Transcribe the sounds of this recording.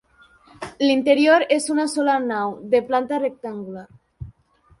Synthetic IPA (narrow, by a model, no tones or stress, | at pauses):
lint̪eɾjoɾesunasolanawðeplant̪arek̚t̪aŋɡulaɾ